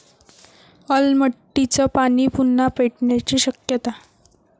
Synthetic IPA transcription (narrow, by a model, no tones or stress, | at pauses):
əlməʈːit͡səpaɽiːpunːapeʈɳjat͡ɕiːɕəkjət̪a